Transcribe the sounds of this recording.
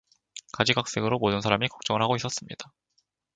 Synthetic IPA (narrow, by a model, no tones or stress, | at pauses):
kad͡ʑiɡak̚s͈e̞ɡɯɾomodɯnsʰaɾamikʌk̚t͡ɕ͈ʌŋɯɭɦaɡois͈ʌs͈ɯmɲid̥a